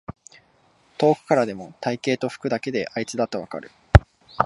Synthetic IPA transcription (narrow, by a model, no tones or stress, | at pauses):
t̪o̞ːkɯ̟̥kaɾad̪e̞mo̞t̪aike̞ːt̪o̞ɸɯ̟̥kɯ̟d̪ake̞d̪e̞ʔait͡sɨd̪at̪ːaβaka̰ɾɯ̟